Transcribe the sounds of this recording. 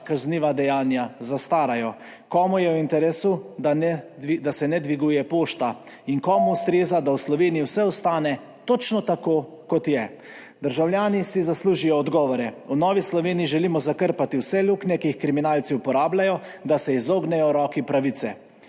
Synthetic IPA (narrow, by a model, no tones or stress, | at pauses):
kazniːʋad̪ɛjaːnjazast̪aːɾajɔ | kɔːmujɛwint̪ɛɾeːsud̪anɛid̪asɛnɛd̪ʋiɡuːjɛpoːʃt̪a | iŋkɔːmuust̪ɾeːzad̪awslɔʋeːnijiwsɛɔst̪aːnɛ | t̪ɔt͡ʃnɔt̪akoː | kɔt̪jɛ | d̪əɾʒawlʲjaːnisizasluːʒijɔːd̪ɡɔːʋɔɾɛunɔːʋislɔʋeːniiʒɛliːmɔzakəɾpat̪iwsɛluːknɛkiixkɾiminaːlt̪siupɔɾaːblajɔd̪asɛizoːɡnɛjɔɾɔːkipɾaʋit̪sɛ